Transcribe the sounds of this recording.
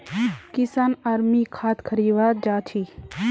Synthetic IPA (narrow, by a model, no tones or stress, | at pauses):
kisaːnaɾmikʰaːt̪kʰəɾiːʋaːd͡ʒaːt͡ʃʰi